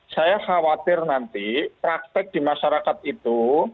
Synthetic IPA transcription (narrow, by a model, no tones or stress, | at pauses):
sajaxawat̪ɪrnant̪ipɾak̚t̪ɪk̚d̥imaʃaɾakat̪̚it̪u